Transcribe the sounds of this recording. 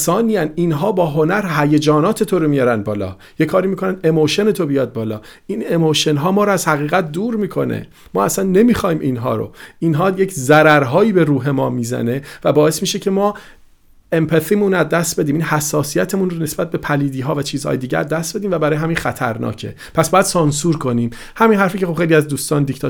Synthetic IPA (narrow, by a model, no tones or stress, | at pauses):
sɒːniːjæninɦɒːbɒːɦo̞næɾɦæjed͡ʒɒːnɒːt̪ʰe̞t̪ʰoɾomijɒɾæn̚bɒːlɒ̰ː | je̞kʰɒːɾiːmiːkʰo̞nænd̪e̞moʃe̞net̪ʰobijɒːd̪̚bɒːlɒ̰ː | inemoʃe̞nɦɒːmɒːɾoæzhæɣiːɣæt̪̚ʰd̪uːɾmiːkʰo̞̰nḛ | mɒːæsænːe̞miːxɒːhiːmʔinɦɒ̰ːɾo̰inɦɒːjecʰzæɾæɾɦɒːjiːbe̞ɾuːɦe̞mɒːmiːzæ̰ne̞væbɒːe̞smiːʃecʰe̞mɒː | empʰeθimunæd̪ːæst̪̚be̞d̪iːminhæsːɒːsijæt̪ʰemunrone̞sbæt̪̚be̞pʰæliːd̪iːɦɒːvæt͡ʃʰiːzhɒ̰ːjed̪iːɟæ̰æ̰d̪ːæst̪be̞d̪iːmvæbæɾɒːjeɦæmiːnxæt̪ʰæ̰ɾnɒ̰ːcʰe̞̰ | pʰæsb̥ɒːjæd̪̥sɒnsuːɾkʰo̞niːm | hæminɦæɾfiːcʰeo̞bχejliæzd̪uːst̪ɒːnd̪ikʰt̪ʰɒ